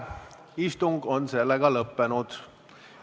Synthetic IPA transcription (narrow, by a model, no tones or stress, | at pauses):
ist̪uŋɡo̞nse̞lːeɡ̥ɑlɤpːe̞nud̪̥